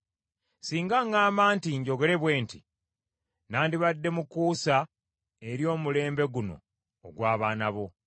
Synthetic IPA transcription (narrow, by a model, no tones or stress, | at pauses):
siːŋɡaŋaːmbaːntiɲɟo̞ɡe̞le̞βwe̞ːntḭ | naːndiβadːe̞mukuːsa | eɾjo̞ːmule̞ːmbe̞ɡuno̞̰ː | ɡwaːβaːnaβo̞